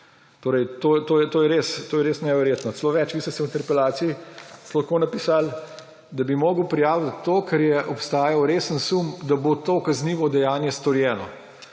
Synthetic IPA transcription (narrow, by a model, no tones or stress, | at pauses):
t̪oːɾɛjt̪oːt̪oːjɛt̪oːjɛɾeːst̪oːjɛɾeːsnɛʋɛɾjeːt̪nɔt̪loːʋɛt͡ʃʋist̪ɛsɛwint̪ɛɾpɛlaːt̪sijislɐxkoːnɐpiːsal | d̪abimoːɡəwpɾijaːwt̪ːoːkʰɛɾjɛʔɔpst̪aːjawɾeːsənsumd̪abot̪oːkɐzniːʋɔd̪ɛjaːnjɛst̪ɔɾjɛːnɔ̰